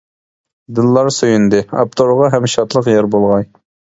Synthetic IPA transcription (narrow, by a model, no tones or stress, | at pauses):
d̪ɨlˠːɑɾsøjynd̪ɨɑ̰p̚t̪ʰoɾʁɑɦɛmʃɑt̪lˠəqjɛɾbolˠʁɑj